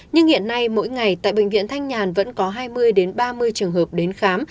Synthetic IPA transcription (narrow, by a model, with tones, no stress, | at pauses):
ɲɨ˧ŋhḭ˧˨ənːa˧jmo̰˧˥jŋa˨˩jt̪a̰ː˧˨jɓḛ˧˨ŋ̟vḭ˧˨ənt̪ʰa˧jŋɲaː˨˩nvə̰˧˥nkɔ˨˦ɦaː˧jmɨ˧əjɗe˨˦nɓaː˧mɨ˧əjt͡ɕɨ˨˩əŋɦəː˨˩p̚ɗe˨˦nxaː˨˦m